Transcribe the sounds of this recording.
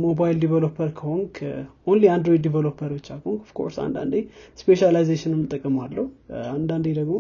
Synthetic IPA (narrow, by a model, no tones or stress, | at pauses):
mobajild̪ivelopʰəɾkʰəhoŋkʰʔonliand̪ɾojid̪ːivelopʰəɾot͡ʃːakʰəoŋkʰɔfkʰo̞̰ɾsa̰nd̪a̰nd̪espeʃalajzeʃɪnɛmːɨt̪ʼːəkʼːəmalːəhuand̪and̪ed̪əɡmo